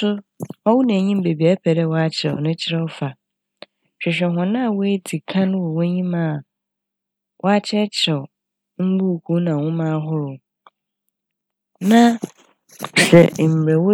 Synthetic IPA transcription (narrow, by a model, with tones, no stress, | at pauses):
ʊ˦ɔ˦wʊ˦nɛ̃˨ɲĩ˦m˦be˨bi˨a˨˦pʰɛ˨dɛ˦wɔ˦a˦t͡ɕʰɪ˨ɾɛ̰˨ɔ̰˨nʊ̃˦t͡ɕʰɪ˦ɾɛ˦wɔ˦fa˨ | ɕᶣɛ˨ɕᶣɛ˨ɦɔ̃˨nã˦˨wo˦e˦dʰi˨kʰã˦nʊ̃˦wɔ˨wo˦ɲĩ˦mãː˦˨ | wʔɔ˦a˦t͡ɕʰɪ˦ɛ˦t͡ɕʰɪɾɛ˨ɔ˨ | m̩˦bu˦˨kʰu˦nã˨wʊ̃˦mãː˦ɦʊ˦ɾʊ˨ | nã˦ | sɛ̰˨m̩˨ɾɛ˨wo˦